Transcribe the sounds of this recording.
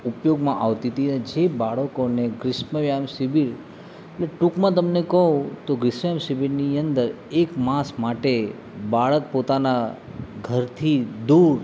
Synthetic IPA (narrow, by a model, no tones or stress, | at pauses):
upjoɡmãʔaʋt̪it̪ined͡ʒebaɭəkoneɡɾɪsməʋjamsibiɾ | eʈleʈukmãt̪̬əmnekəɦõt̪oɡɾɪsməʋjamsibiɾniənd̪əɾ | ekmãsmaʈe | baɭək̚pot̪ana | ɡʱəɾt̪ʰid̪uɾ